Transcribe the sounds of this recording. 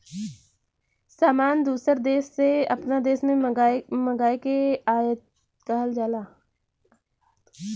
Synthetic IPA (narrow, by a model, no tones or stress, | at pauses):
saːmaːnd̪uːsəɾd̪eːʃːeɐ̰pnad̪eːʃmẽməɡaːekeaːjət̪̚ | kəɦəld͡ʒaːlaː